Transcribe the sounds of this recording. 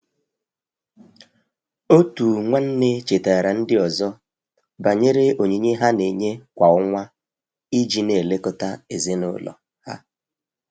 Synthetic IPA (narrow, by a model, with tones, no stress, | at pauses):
o˦tu˨ŋʷa˦n̩˦ne˦t͡ʃe˨ta˨ɾa˨n̩˦dɪ˦ɔ˨zɔ˦ | ba˨ɲe˦ɾe˦o˨ɲe˨ɲe˦ɦa˦ne˨ɲe˦kʷa˨ʊ˦ŋʷa˦ | i˦d͡ʒi˦ne˨le˦kʊ˦ta˦e˨zɪ˦nʊ̰˦lɔ̰˨ | ha̰˦